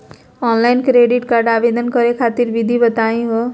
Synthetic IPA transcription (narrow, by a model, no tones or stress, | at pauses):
ɔnlajnkɾeɖiʈkaɾɖabed̪ʱənkʌɾekʰat̪iɾʋid̪ʱibət̪aĩɦo